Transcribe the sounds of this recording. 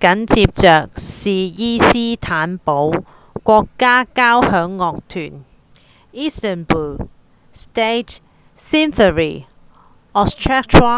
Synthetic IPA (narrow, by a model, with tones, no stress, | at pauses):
kɐ˨˥nt͡siː˧p̚t͡sœː˨k̚siː˨jiː˥siː˥t̪ʰaː˨˥npo˨˥w | kʷɔː˧kːaː˥kaː˥whœː˨˥ŋːɔː˧k̚t̪ʰyː˨˩n | iː˥st̪ə˨˩nbu˨˩ | st̪e˥t | si˥nθə˨ɹiː˨˩ | ɔ˧stʰɹa˥k̚tʰa˥